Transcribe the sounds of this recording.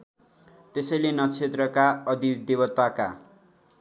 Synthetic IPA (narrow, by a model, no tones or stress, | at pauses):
t̪esʌjlenʌt͡sʰet̪rʌkaʌd̪id̪ebʌt̪waka